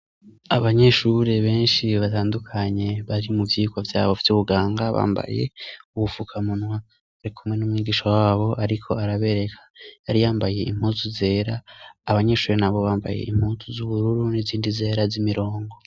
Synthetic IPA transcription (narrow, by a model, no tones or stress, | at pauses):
aβaɲe̞ʃuɾe̞βe̞ːnʃiβataːndukʰaɲe̞βaɾimuvjiːkwavja̰ːβofi̥tuβuɡaːŋɡaβa̰ːmba̰je̞̰uβufukʰamunwa | aɾikʰumŋe̞nuːmŋiːɡiːʃawaβo̞ʔaɾikʰo̞aɾaβe̞ɾe̞kʰḁjaɾijaːmbaje̞ʔim̥huːzuze̞ːɾaːβaɲe̞ʃuːɾenaβo̞βaːmba̰jḛʔḭm̥huzuzuβuɾuɾuniziːndize̞ːɾazimiɾo̞ːŋɡo